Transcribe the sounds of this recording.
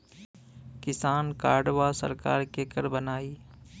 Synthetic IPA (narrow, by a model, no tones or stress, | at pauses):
kɪsaːnkaːɾɖʋaːsə̰ɾka̰ːɾkeːkəɾbənaːiː